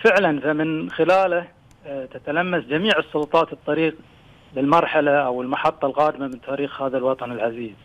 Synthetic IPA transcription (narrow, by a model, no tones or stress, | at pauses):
fɪʕlanfamɪnxɪlaːla | t̪at̪alamːasd͡ʒamiːʕɨsˤːʊlʊt̪ˤɑːt̪ɨt̪ˤːɑɾiːq | lɪlmɑɾˤħalaʔawɪlmaħɑt̪ˤːɑlɣaːd̪ɪmamɪnt̪ʰaːɾiːxhaːðalwɑt̪ˤɑnɪlʕaziːz